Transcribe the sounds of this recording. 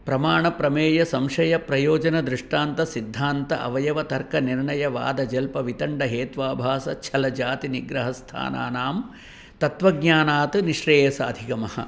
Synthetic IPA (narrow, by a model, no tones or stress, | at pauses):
pɾɐmaːɳɐpɾɐmeːjɐsɐmʂɐjɐpɾɐjoːd͡ʒɐnɐd̪ɾɪʂʈaːnt̪ɐsid̪ʱːaːnt̪ɐʔɐ̰ʋɐjɐʋɐt̪ɐɾkɐniɾɳɐjɐʋa̰ːd̪ɐd͡ʒɐlpɐʋit̪ɐɳɖɐɦeːt̪ʋaːbʱaːsɐt͡ʃʰɐlɐd͡ʒaːt̪iniɡɾɐɦɐst̪ʰa̰ːna̰ːnaːm | t̪ɐt̪ʋɐɡɲaːnaːt̪ɨniʃɾeːjɐsɐɐd̪ʱikɐmɐhɐ̰